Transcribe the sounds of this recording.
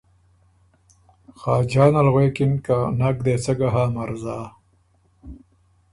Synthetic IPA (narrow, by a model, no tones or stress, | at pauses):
xaːd͡ʑaːnalɣweːkinkanakd̪eːt͡sɐɡaɦaːmaɾzaː